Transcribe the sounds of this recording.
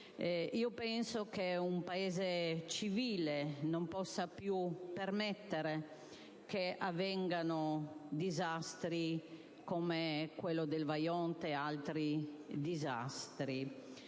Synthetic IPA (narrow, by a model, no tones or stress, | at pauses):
iopɛnsokeumpaeːzet͡ʃiviːlenompɔsːapjupermɛt̪ːeɾe | keavːɛŋɡanod̪izast̪ɾi | komekwelːod̪elvajɔnt̪ealt̪ɾid̪iza̰st̪ɾi